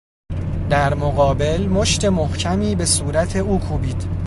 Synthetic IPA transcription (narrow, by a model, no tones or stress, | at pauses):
d̪æɾmoɣɒːbe̞lmo̞ʃt̪e̞mohcʰæmiːbe̞suːɾæt̪ʰe̞uːkʰuːbiːd̪̥